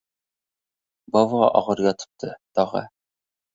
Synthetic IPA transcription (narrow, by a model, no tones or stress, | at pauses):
bɒvʁɑ̰ʔɒʁɤɾjɒt̪ɤ̥̆p̚t̪ʰɤt̪ɒʁɑ̰